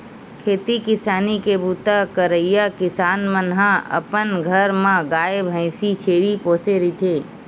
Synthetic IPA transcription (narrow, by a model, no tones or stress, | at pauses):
kʰeːt̪ikɪsaːnikebuːt̪akəɾəijakɪsaːnmənɦãɐ̰pənɡʱəɾmãɡaːjebʱə̃ɪ̃sit͡ʃʰeːɾipoːseɾit̪ʰeː